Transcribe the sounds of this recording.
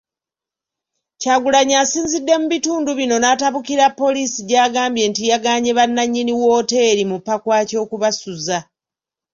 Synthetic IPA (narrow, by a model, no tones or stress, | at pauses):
caɡulaɲaːsiːnzidːe̞muβituːnduβino̞nataβukiɾapːo̞liːsiɟaːɡaːmbje̞ːntijaɡaːɲeβanːaɲːiniwo̞ːte̞ːɾimupːakwaːco̞ːkuβasuza